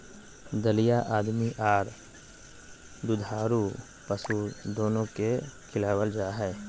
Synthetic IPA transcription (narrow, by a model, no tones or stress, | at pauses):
d̪əlijaʔaːd̪miʔaːɾ | d̪ud̪ʱaːɾu | pəsud̪oːnõkekʰɪlaːwəld͡ʒaːɦɛː